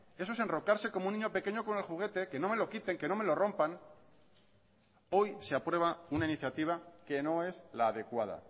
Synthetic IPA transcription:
e̞sose̞nro̞kaɾse̞ko̞mouniɲo̞pe̞keɲo̞ko̞ne̞lxuɣ̞e̞t̪e̞ke̞no̞me̞lo̞kit̪e̞ŋke̞no̞melo̞ro̞mpaŋ | o̞jse̞apɾwe̞β̞aunainiθjat̪iβ̞ake̞no̞e̞zlaːðe̞kwað̞a̰

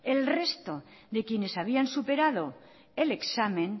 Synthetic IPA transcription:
elre̞st̪oðe̞kjene̞saβ̞iansupe̞ɾað̞o̞ | e̞leksamẽ̞n

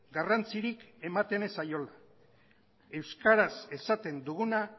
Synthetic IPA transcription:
ɡarant͡siɾike̞mat̪e̞nesajo̞la | e̞wskaɾase̞sat̪e̞nd̪uɣuna

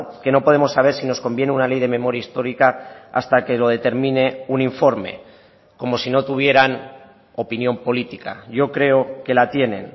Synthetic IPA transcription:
ke̞no̞po̞ð̞e̞mo̞sːaβ̞e̞ɾsino̞sko̞mbje̞neunale̞jð̞e̞mẽ̞mo̞ɾjaist̪o̞ɾikaa̰st̪ake̞lo̞ð̞e̞t̪e̞ɾmĩne̞uniɱfo̞ɾme̞̰ | ko̞mo̞sino̞t̪uβ̞je̞ɾan | o̞pinjo̞mpo̞lit̪ika̰ʝo̞kɾe̞oke̞lat̪je̞nẽ̞̰n

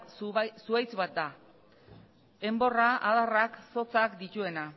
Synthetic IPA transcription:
suajt͡sβat̪̚d̪a | e̞mbo̞raaðarakso̞t͡sakd̪it̪ue̞na

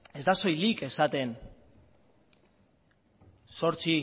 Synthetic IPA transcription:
e̞zd̪aso̞jlike̞sat̪e̞n | so̞ɾt͡si

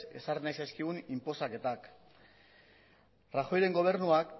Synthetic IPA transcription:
e̞̰sarenajsajskiɣunimpo̞stake̞t̪ak | raxo̞jɾe̞ŋɡo̞β̞e̞ɾnuak

